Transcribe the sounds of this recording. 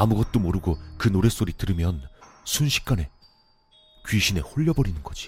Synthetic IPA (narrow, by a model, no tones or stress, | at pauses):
amuɡʌt̚t͈omoɾɯɡokɯnoɾe̞s͈oɾitɯɾɯmjʌn | sʰunɕʰi̥k̚k͈ane̞ | kɥiɕʰine̞hoʎːʌbʌɾinɯnɡʌd͡ʑi̥